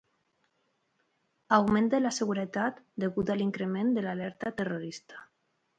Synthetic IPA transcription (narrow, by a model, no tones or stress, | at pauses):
awmẽnd̪elaseɣ̞uɾet̪at̪d̪eɣut̪aliŋkɾemẽnd̪elalɛɾt̪at̪eroɾist̪ḁ